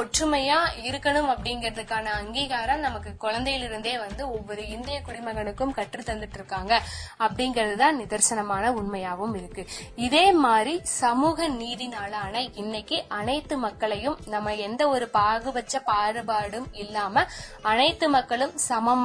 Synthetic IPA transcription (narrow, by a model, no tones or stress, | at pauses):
ɔʈrɯmɐjaːɪɾɯkːɐɳɯmɐpːɐɽɪŋɡɪɾɐðɯkːaːnɐːŋɡiːɣaːɾɐmnɐmɐkːɯkːɔɻɐnd̪ɐjɪlɪɾɯnd̪eːʋɐnd̪ɯɔʋːɔɾɯɪnd̪ɐjɐkʊɽɪmɐɣɐɳɯkːɯmkɐʈrɯt̪ːɐnd̪ɯʈːɪɾɯkːaːŋɡɐːpːɐɽɪŋɡɪɾɐðɯt̪ãːnnɪðɐɾsɐnɐmaːnɐʊɳmɐjaːʋɯmɪɾɯkːɯɪðeːmaːd̪ɾisɐmuːɣɐniːðɪnaːlaːnɐɪnːɐkːɯʔɐnɐɪt̪ːɯmɐkːɐɭɐjɯmnɐmːɐɛnd̪ɐɔɾɯpaːɣɯʋɐt͡ʃːɐpaːɾɯbaːɽɯmɪlːaːmɐɐnɐɪt̪ːɯmɐkːɐɭɯmsɐmɐm